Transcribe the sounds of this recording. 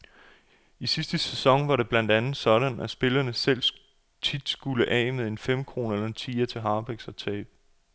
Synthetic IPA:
isisd̥əsesɒ̽ŋʋɑ̈ɾe̝b̥læn̰d̥ænð̩ˠsɒ̽ɾ̥ænæsb̥e̝lɐnəsel̰ | t͡sʰid̥sɡ̥uləʔɛ̰ːmeðˠe̝nfem̰kʰʁo̝ːnɐelɐe̝nt͡sʰḭːɐt͡sʰe̝ɦɑ̈ːb̥eɡ̥sɒ̽t͡sʰɛ̰ːb̥̚

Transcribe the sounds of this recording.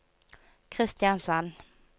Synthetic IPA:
kʰɾɪst̪ɪjansanː

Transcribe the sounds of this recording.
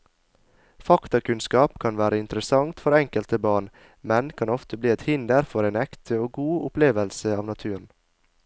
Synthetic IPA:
fɑkt̪ɑkʉnskɑːpkʰɑnʋæːɾəɪnt̪ɾəsɑŋt̪fɔɾɛŋkəlt̪əbɑːɳ | mɛnkʰɑnɔft̪əbliːɛt̪hɪnd̪əɾfɔɾeːnɛkt̪ʰəoːɡuːʊpleːʋəlsəɑːʋnɑt̪ʰʉːn̩

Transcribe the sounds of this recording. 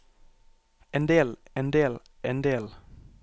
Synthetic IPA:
eːnd̪eːleːnd̪eːl | eːnd̪eːl

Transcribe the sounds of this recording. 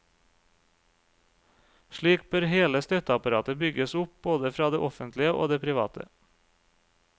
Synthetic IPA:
ʃɭiːk̚bøːɾheːləst̪œt̪əɑpɑɾɑːt̪əbʏɡəsʊp̚b̥oːd̪əfɾɑːd̪eːʔɔfənt̪lɪəʔo̰ːd̪eːpʰɾɪʋɑ̰ːt̪ʰə̰

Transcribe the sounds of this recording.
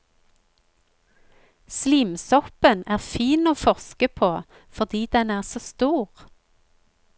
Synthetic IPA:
sliːmsɔpənæːʁfiːnoːfɔʁskəpʰoː | fɔʁd̪iːd̪ɛnæːʁsoːst̪uːʁ

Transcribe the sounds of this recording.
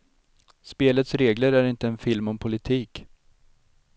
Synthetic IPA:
speːlət̪sɾeːɡləɾæɾɪnt̪əɛnfɪlmɔmpʰʊlɪt̪ʰiːk

